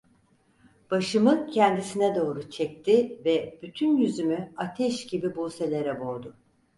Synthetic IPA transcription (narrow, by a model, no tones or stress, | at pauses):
b̥aʃɯmɯcʰɛnd̪isinɛd̪o̞ːɾut͡ʃʰɛc̚t̪ʰivɛb̥yt̪ʰynjyzymyat̪ʰɛʃɟibibuse̞lʲeɾɛboɾd̪ʊ